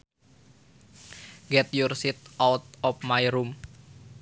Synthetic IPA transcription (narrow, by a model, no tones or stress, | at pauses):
ɡɛt̪̚jursit̪̚ʔawt̪̚ɔfmajɾum